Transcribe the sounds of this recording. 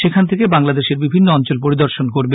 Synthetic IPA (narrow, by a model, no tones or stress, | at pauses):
ʃekʰant̪ʰekebaŋlad̪eʃeɾbibʱinːoɔnt͡ɕolpoɾid̪oɾʃonkoɾbe